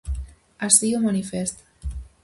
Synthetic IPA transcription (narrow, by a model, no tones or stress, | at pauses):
asiumanifest̪